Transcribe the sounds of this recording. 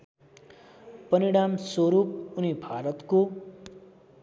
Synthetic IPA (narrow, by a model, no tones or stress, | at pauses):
pʌniɽamswoɾup̚unibʱaɾʌt̪ko